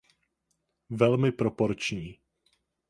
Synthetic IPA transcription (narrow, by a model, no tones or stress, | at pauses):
vɛlmɪpɾopo̞ɾt͡ʃɲiː